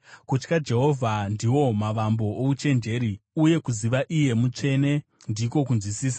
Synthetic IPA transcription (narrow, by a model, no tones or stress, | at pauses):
kut͡ʃkad͡ʒe̞ɦo̞vʱandiwo̞maʋambo̞out͡ʃe̞nd͡ʒe̞ːɾiuje̞kuziʋaʔije̞mut͡ʂe̞ne̞ | ndiko̞kunzwisiːs̬ḁ